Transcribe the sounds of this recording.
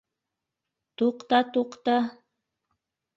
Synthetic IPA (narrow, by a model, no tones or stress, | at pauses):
t̪uqt̪ɑt̪uqt̪ɑ